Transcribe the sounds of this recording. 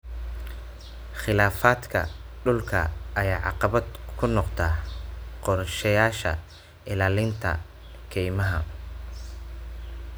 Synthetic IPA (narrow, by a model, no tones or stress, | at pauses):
χɪlaːfaːd̪kʰɐ̰ɖʊlkʰɐ̰ʔɐjaːʕɑ̰qɑβɐd̪kʰʊnɔqt̪ʰaːqɔrʃɐjaːʃɐ̰ | ʔɪlaːlɪnt̪ʰɐ̰ | kʰɛjmɐɦɐ̰